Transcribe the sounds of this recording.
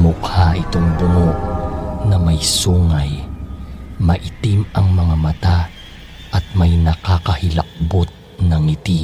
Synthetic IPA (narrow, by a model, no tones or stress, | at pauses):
mʊkhaʔɪt̪oŋbʊnoʔnɐmɐjsuːŋɐj | mɐʔɪt̪imɐŋmɐŋamɐt̪a | ʔɐt̪̚mɐjnɐkakɐhɪlɐ̰k̚bot̪̚ | nɐŋɪt̪i